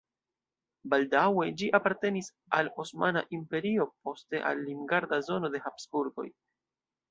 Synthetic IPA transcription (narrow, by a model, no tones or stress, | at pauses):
baldawe̞d͡ʒiʔapaɾte̞nis | alosmana̰ʔimpe̞ɾio̞p̚o̞ste̞ʔa̰lːimɡaɾdazo̞no̞de̞hapsbuɾɡo̞̰j